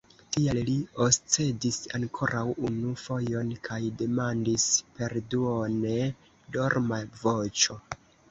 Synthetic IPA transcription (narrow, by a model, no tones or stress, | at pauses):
tialliost͡se̞disaŋkʰo̞ɾʔawunufo̞jo̞nkʰajde̞mandispe̞ɾduone | do̞ɾmavo̞t͡ʃo̞